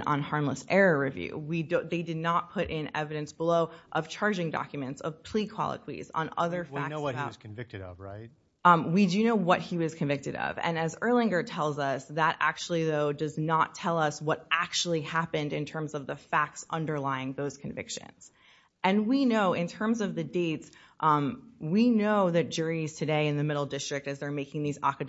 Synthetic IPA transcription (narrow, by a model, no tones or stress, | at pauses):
nə̰̃n̩hɑɹmləsɛɹɨɹivjʉ̰widðeɪdɨdⁿnət̚pʰʊɾʔɪ̃nɛ̰vɨɾɨ̃nsb̥əloʊʔʌv̥t͡ʃʰɑɹd͡ʒɪ̃ŋdɑ̰kjɨmɨ̃ntsʌv̥pʰl̥ikʰw̥ɑ̰lˠə̰kʰwḭzn̩ʌ̰ðə˞fk̚nowʌʌz̥kʰɱvɪk̚tɨɾʌ̰vɹaɪt̚ | widɨnoʊwʌt̚hiwʌz̥kʰɨ̃ɱvɪk̚tɨɾʌ̰vɨ̰̃nɨzɜ˞lˠɪ̃ŋɡə˞tʰɛlˠzʌsðəɾʔæ̰k̚t͡ʃul̩ˠiðoʊdʌznətʰɛlˠʌswʌɾʔæk̚t͡ʃul̩ˠihæpɨ̃ndɨ̃ntʰɜ̃˞mzʌvðəfæk̚tsʌ̃ndə˞laɪɪ̃ŋðoʊz̥kʰɨ̃ɱvɪ̰kʃɨ̰̃nz̥ | ʔɨ̃nwinoʊʔɪ̃ntʰɜ̃˞mzʌvðɨdeɪts | ʔmwinoʊðɨt̚d̥ʒ̥ʊɹiz̥tʰɨdeɪɨ̃nðɨmɪɾl̩ˠdɪstɹ̥ɨk̚tɨzðə˞meɪkɪ̃ŋðizɑ̰kɨ